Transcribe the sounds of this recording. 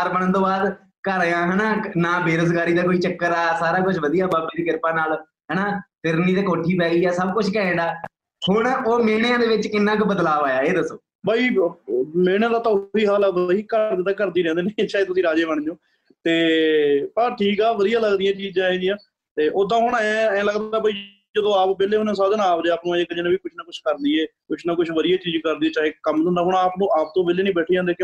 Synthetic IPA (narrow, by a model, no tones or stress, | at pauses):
ɾbəɽ̃ə̃nd̪oːbaːd̪ | kəɾãːɦɛːnaːnaːbeːɾəsɡaːɾiːd̪aːkoːiːt͡ʃəkːəɾaːsaːɾaːkʊt͡ʃʰʋəd̪ijaːbaːbiːɾiːkɪɾpãːnaːl | ɦɛːnaːfɪɾniːd̪eːkoːʈʰiːpɛːiːɛːsəb̚kʊt͡ʃʰkɛẽːnd̪aː | hʊɳ̃oːmeːnejãːd̪eːʋɪt͡ʃkɪnːãːkbəd̪laːʋaːjaːeːd̪əsoː | baːiː | meːɽ̃ãːd̪aːt̪aːiːɦaːlaːʋəiːkəɾd̪eːt̪ãːkəɾd̪iːɾɛ̃ːnd̪eːnẽt͡ʃaːeːt̪ʊsĩːɾaːd͡ʒeːʋəɳ̃d͡ʒõː | t̪eːpəʈʰiːkaːʋəd̪ɪjaːləɡd̪ijãːt͡ʃiːd͡ʒãːẽːd͡ʒɪjãː | t̪eːʔoːd̪ãːɦʊɳɛ̃ːɛ̃ːləɡd̪aːbəiː | d͡ʒəd̪õːaːpbeːleːɦʊnẽːs̬aːd̪aːnaːpd̪eːaːpnõd͡ʒeːkəd͡ʒẽːnãːʋiːkʊt͡ʃʰnaːkʊt͡ʃʰkəɾd̪iːeːkʊt͡ʃʰnaːk̬ʊt͡ʃʰʋəd̪ɪjaːt͡ʃiːd͡ʒkəɾd̪iɛːt͡ʃaːeːkəmnõːd̪aːɦʊɳaːpnõːʔaːp̚t̪õːbeːleːnĩːbɛːʈʰiːd͡ʒãːnd̪eːk